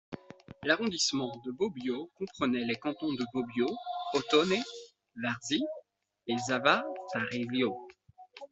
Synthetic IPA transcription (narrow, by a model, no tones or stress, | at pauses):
laʁɔ̃d̪ismɑ̃d̪əbobjokɔ̃pχənɛlekɑ̃t̪ɔ̃d̪əbobjoɔt̪ɔne | vaʁzi | ezavat̪aʁiljo